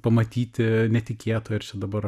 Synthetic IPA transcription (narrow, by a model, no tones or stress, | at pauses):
pɐmɐt̪ʲiːt̪ʲɪnʲɛt̪ʲɪkʲeːt̪oːjɪɾt͡ʃʲɛd̪ɐbɐɾ